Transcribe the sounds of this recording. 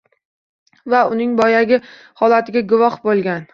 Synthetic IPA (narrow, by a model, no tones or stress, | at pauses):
vaʊnɪŋbɒjaɡʲɪ | hɒlat̪ʰɪɡʲaɡʊvɒχbolˠɡʲan